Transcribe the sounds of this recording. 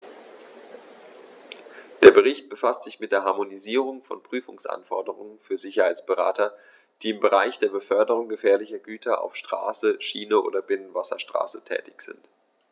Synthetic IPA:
d̥eːɐbəʁ̞ɪçt̚b̥əfastz̥ɪçmɪt̚d̥eːɐɦaɐmoniziːʁ̞ʊŋfɔnpʁ̥yːfʊŋsʔa̰nfɔɐdəʁʊŋənfyːɐzɪçɐhaɪt͡ssb̥əʁa̰ːtɐ | d̥iːɪmbəʁaɪçd̥eːɐbəfœɐdəʁ̞ʊŋɡəfɛːɐlɪçɐɡyːtʰɐʔa̰ʊfʃtʁ̥a̰ːsəʃiːnəʔo̰ːdɐbɪnənvasɐʃtʁ̥a̰ːsətʰɛ̰ːtɪçz̥ɪ̰nt

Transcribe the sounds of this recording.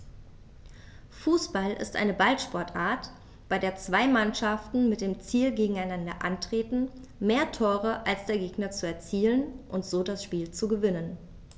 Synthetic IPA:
fuːsb̥alʔɪ̰stʔa̰ɪnəbalʃpɔɐtʔaːɐt | b̥aɪdeːɐt͡sv̥aɪmanʃaftn̩mɪt̚d̥eːmt͡siːlɡeːɡŋ̩aɪnandɐ̰ʔantʁ̥eːtn̩ | meːɐtʰoːʁ̞əʔalsd̥eːɐɡeːɡnɐt͡suɛɐt͡siːlənʔʊntz̥oːdasʃpiːlt͡suɡəvɪnən

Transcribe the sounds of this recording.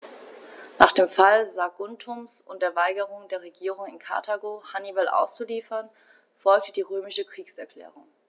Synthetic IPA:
naːχd̥eːmfalzaːɡʊntʰʊmsʊntd̥eːɐvaɪɡəʁʊŋdeːɐʁ̞eɡiːʁʊŋɪnkʰa̰ɐtʰaɡoːhanibalʔa̰ʊst͡suliːfɐn | fɔlk̚təd̥iːʁøːmɪʃəkʁ̥iːksɛɐkl̥ɛ̰ːʁʊŋ

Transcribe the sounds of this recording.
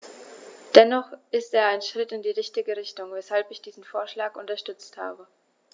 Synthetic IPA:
d̥ɛnɔχʔɪsteːɐaɪnʃʁ̥ɪtɪndiːʁɪçtɪɡəʁɪçtʊŋvɛshalpɪçd̥iːzn̩foːɐʃlaːkʊntɐʃtʏt͡stha̰ːbə

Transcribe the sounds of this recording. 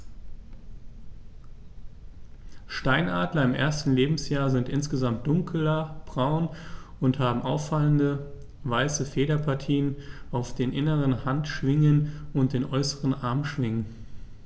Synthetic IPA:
ʃtaɪnʔaːdlɐɪmʔḛːɐstn̩leːbm̩sjaːɐzɪntʔɪnsɡ̥əzamt̚d̥ʊŋkʰl̩ɐb̥ʁaʊnʔʊnthaːbm̩ʔaʊfːaləndə | vaɪsəfeːɾɐpʰaɐtʰiːənʔaʊfd̥eːnʔɪnəʁənhantʃv̥ɪŋənʊnt̚d̥eːnʔɔʏsəʁənʔaɐmʃv̥ɪŋən

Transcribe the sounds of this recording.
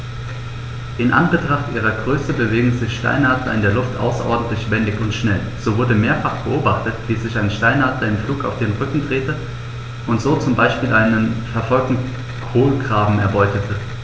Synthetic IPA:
ʔɪnʔa̰nbətʁ̥aχtʔiːʁɐɡʁøːsəbəveːɡŋ̩zɪçʃta̰ɪnaːtlɐ̰ɪ̰ndeːɐlʊftʔa̰ʊsɐ̰ʔɔ̰ɐdn̩tlɪçv̥ɛndɪçʊntʃnɛl | z̥oːvʊɐdəmeːɐfaχb̥əʔoːbaχtətv̥iːzɪçaɪnʃtaɪnaːtlɐɪmfluːkaʊfd̥eːnʁʏkŋ̩d̥ʁeːtə | ʔʊntz̥oːt͡sʊmbaɪʃpiːlʔaɪnənfɛɐfɔlk̚tn̩ | kʰoːlɡʁaːbm̩ɛ̰ɐbɔʏtətʰə

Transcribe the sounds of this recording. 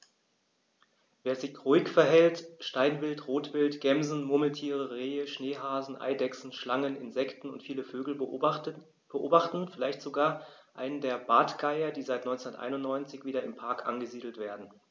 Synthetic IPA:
veːɐzɪçʁoɪkfɛɐɦɛltʃtaɪnvɪltʁoːtv̥ɪltɡ̥ɛmzn̩mʊml̩tʰiːʁəʁeːəʃneːɦaːzn̩ʔa̰ɪdɛksn̩ʃlaŋənɪ̰nzɛktn̩ʊ̰ntfiːləføːɡl̩ | b̥əʔoːbaχtn̩fɪlaɪçtz̥oɡaːɐʔaɪnəndeːɐbaːtɡ̥aɪɐdiːzaɪtnɔʏnt͡sɛnɐtʔa̰ɪnʊntnɔʏnt͡sɪçv̥iːdɐɪmpʰaɐkʰʔa̰nɡəziːdl̩tv̥eːɐdn̩

